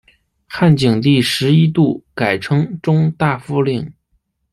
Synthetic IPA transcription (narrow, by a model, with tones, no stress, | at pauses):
xa˥˩nt͡ɕi˨˩ŋt̪i˥˩ʂɻ̩˧˥i˥t̪u˥˩ka˨˩ɪʈ͡ʂʰɤ˥ŋʈ͡ʂʊ˥ŋt̪a˥˩fu˥li˥˩ŋ